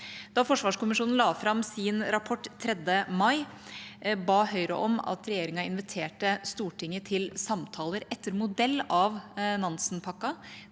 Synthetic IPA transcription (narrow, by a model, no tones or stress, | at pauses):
d̪ɑfɔʂʋɑːʂkʊmɪʂuːnn̩lɑːfɾɑmsɪnɾɑpʰɔʈːt̪ʰːɾɛd̪ːəmɑɪ | bɑːhœʏɾə̰ʔɔmɑ̰t̪ɾɛjeːɾɪŋɑɪnʋɪt̪ʰeːʈəst̪uːʈʰɪŋːət̪ʰɪlsɑmt̪ʰɑːləɾɛt̪ːəɾmʊd̪ɛlːɑʋnɑnsn̩pʰɑkːɑ